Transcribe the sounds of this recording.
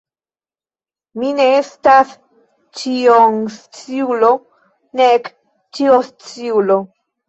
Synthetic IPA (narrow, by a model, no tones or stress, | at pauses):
mine̞estas | t͡ʃioŋst͡siulo̞ | nek | t͡ʃiost͡siulo̞